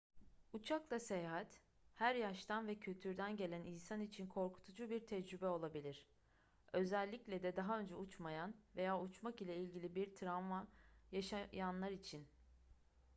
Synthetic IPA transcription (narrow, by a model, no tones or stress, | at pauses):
ut͡ʃʰaklˠasejaɦat̪ | hæɾjaʃt̪ʰanvɛcʰylʲt̪ʰyɾd̪ænɟe̞lʲæninsanit͡ʃʰinkʰo̞ɾkʰu̥t̪ʰud͡ʒubiɾt̪ʰɛd͡ʒɾybɛo̞lˠabilʲiɾ̥ | ø̞zælʲːiclʲɛd̪ɛd̪aɦaønd͡ʒɛut͡ʃmajanve̞jaːut͡ʃmakilʲɛilʲɟilʲibiɾt̪ʰɾavmajaʃajanlˠaɾit͡ʃʰin